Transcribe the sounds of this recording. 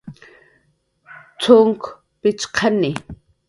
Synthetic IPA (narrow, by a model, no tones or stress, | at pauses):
t͡sʰʊŋk | pɪt͡ʃqʰanɪ